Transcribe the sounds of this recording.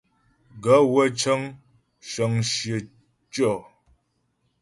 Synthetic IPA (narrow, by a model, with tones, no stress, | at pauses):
ɡə˨˦wə˦t͡ʃə˦ŋ | ʃə˨ŋʃjə˨ | t͡ʃɔ˦˨